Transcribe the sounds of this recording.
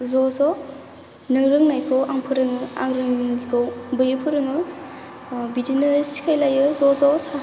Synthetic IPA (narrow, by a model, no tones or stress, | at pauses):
zɔzɔ | nɯŋɾɯŋnajkʰɯwaŋpʰɯɾɯŋɯa̰ŋɾɯŋuŋikʰowbɯjɯpʰɯɾɯŋɯ | bidinɯsi̥kʰajlajɯzɔzɔsa